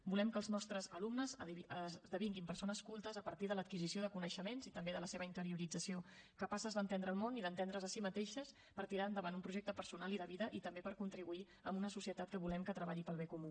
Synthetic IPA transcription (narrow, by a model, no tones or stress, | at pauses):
bulɛmkəːlˠznɔst̪ɾəzəlumnəzəzðəβ̞iŋɡimpəɾsonəskulˠt̪əzəpəɾt̪iðələt̪̚kizisioðəkunəʃəmenzit̪əmbeðələseβəint̪əɾiuɾid͡zəsio | kəpasəzðənt̪end̪ɾəːlˠmoniðənt̪end̪ɾəzəsimət̪eʃəs | pəɾt̪iɾaɾnd̪əβand̪umpɾuʒekt̪əpəɾsunaliðəβiðəʔit̪əmbepəɾkunt̪ɾiβui | əmbunəsusiət̪at̪kəβulɛmkət̪ɾəβaʎipəlˠβekumu